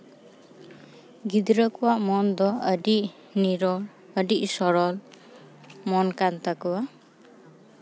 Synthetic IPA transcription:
ɡid̪ɾəkuwamɔnd̪ɔədiʔ | niɾɔl | ədisɔɾɔl | mɔnkant̪akɯwa

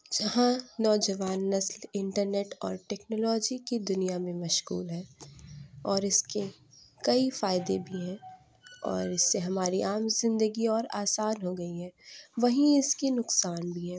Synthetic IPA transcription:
d͡ʒɐɦãnɔːd͡ʒɐʋaːnːɐslɪ̃ɳʈəɾneːʈɔ̰ːɾʈɛːknoːlɔːd͡ʒikid̪ʊnijamẽmɐʃɣṵːlɦɛː | ɔːɾɪske | kɐifaːɪd̪ebʱiɦɛ̃ː | ɔ̰ːɾɪsːeɦɐmaːɾiʔaːmzɪ̃nd̪əɡiɔːɾaːsaːnɦoɡɐiɦɛːʋɐɦĩɪskinʊqsaːnbʱiɦɛː

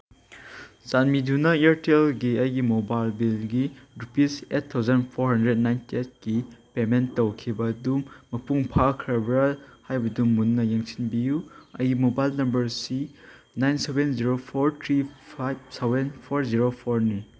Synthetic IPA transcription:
sanmidʱunɐieɾtelɡiɐjɡimobajlbilɡidupisetʰːawzɐnpʰoɾhɐndɾed̚najntiet̚kipemenɐwkʰibɐdumːɐpuŋpʰakʰɾɐbɾalhajbɐdumːunːɐjeŋsinbijuɐjɡimobajlnɐmbɐɾsi | najnsebenziɾopʰoɾtʰɾibsebenpʰoɾziɾopʰoɾni

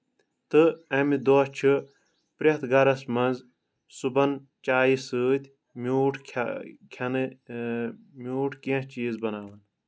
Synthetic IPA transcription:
t̪ɨɐmid̪oːt͡ʃʰɨ | pɾʲɐt̪ɡɐɾɐsmɐnz | subɐn | t͡ʃaːjisɨːt̪ʲʰ | muːʈʰkʰkʲʰɐnɨ | muːʈʰkiɐ̃t͡ʃiːzbɐnaːʋɐn

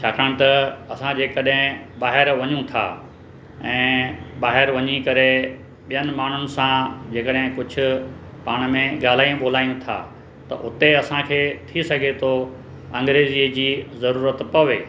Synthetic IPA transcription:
t͡ɕʰaːkʰəɽ̃t̪ɐɐsãd͡ʑeːkɐɗɦɪ̃ɓaːɦɪɾʋɐɲũt̪ʰa̰ː | ɛ̃ːɓaːɦɪɾʋɐɲikɐɾe | ɓijənɪ̆maːɳ̤ʊnɪ̆sãd͡ʑeːkəɗɦɪ̃kʊd͡ʑʱʊ̆ | paːɽ̃mẽɠaːl̤aːijũɓoːl̤aːijũt̪ʰa̰ː | t̪ɐ̰ʔʊt̪eɐsãkʰeːt̪ʰisɐɡʱet̪ʰo | ɐ̃ŋɡɾeːzid͡ʑiːzɐɾuːɾət̪pɐʋeː

